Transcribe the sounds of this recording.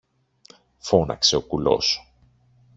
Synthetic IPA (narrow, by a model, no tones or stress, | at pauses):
fo̞nɐ̰kse̞o̞kulo̞̰s